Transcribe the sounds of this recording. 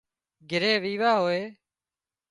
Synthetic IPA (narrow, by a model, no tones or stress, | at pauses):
ɡʱɪɾeːʋiːʋaːɦoːeː